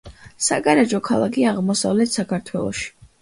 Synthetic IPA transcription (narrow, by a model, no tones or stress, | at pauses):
sa̰ɡaɾɛd͡ʒɔkʰalˠakʰiaʁmɔsavlɛt̪ʰsakʰaɾt̪ʰwɛlˠɔ̰ʃi̥